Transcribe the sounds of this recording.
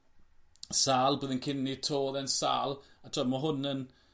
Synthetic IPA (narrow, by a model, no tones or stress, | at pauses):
saːlˠboːðənkʰɪnːitʰoːðɛnsa̰ːlˠatʰɔðmaɦʊnən